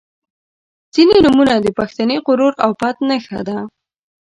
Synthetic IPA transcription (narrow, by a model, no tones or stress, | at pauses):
z̥inenumunad̪əpaxt̪aneqʊɾuɾawpat̪nəxad̪a